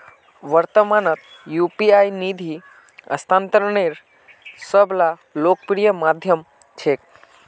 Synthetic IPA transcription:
ʋəɾt̪əmaːnət̪ | jupiajnid̪ʱi | ɐ̰st̪ʰaːnt̪əɾɳ̃eɾ | səbla | lok̚pɾijəmad̪ʱjəm | t͡ʃʰek̚

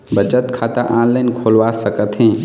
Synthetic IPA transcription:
bət͡ʃət̪kʰat̪əʔãːlːenkʰolʋasəkət̪ɦĩ

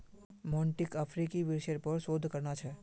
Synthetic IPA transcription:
mɔ̃ɳʈɪkəfʰɾikiʋɪɾʃəɾpəɾsoːd̪ʱkəɾnat͡ʃʰɛ

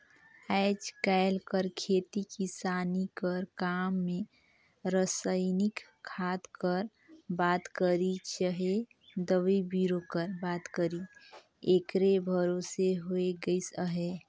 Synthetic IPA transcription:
aɪd͡ʒkalkəɾkʰeːt̪ikisaːnikəɾkamːẽ | ɾəsəɪnik | kʰːat̪kəɾ | baːt̪kəɾit͡ʃəɦe | d̪əʋebiɾokəɾbaːt̪kəɾi | ekɾebʱəɾoseɦoeɡəisəɦe

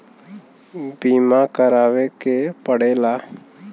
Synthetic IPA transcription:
biːmãːkəɾaːʋeːkepəɽeːlaː

